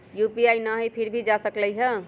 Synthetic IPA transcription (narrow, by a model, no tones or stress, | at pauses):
jupiajnəɦəjpʰiɾbʱid͡ʒasəkləjɦə